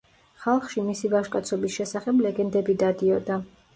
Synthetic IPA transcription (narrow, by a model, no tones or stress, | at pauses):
χalˠχʃimisivaʃkʼat̪sʰɔbisʃɛsaχɛblɛɡɛnd̪ɛbid̪ad̪iɔd̪a